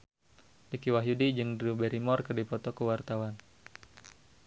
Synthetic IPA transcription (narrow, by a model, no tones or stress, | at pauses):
dikiwaɦjudid͡ʒɨŋdɾubɛɾimɔrkərdipɔt̪ɔkəwart̪awan